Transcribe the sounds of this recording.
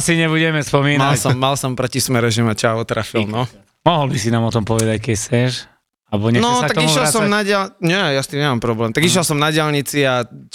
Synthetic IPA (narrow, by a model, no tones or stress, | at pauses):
asiɲɛbuɟɛmɛspɔmiːnmalsɔmːalsɔmpɾɔcismɛɾɛʒɛmat͡ʃaɔt̪ɾafilˠnɔ | mɔɦɔlbisinaːmɔt̪ɔmpɔʋɛd̪ackɛct͡sɛʃ | albɔɲɛnɔtsak̪aɡ̪ɔiuʃjɛlˠsɔmnaɟɪalɲɛjast̪iːmɲɛmaːmpɾɔblɛːmt̪aɡiʃjɛlsɔmnaɟɪalɲit͡sia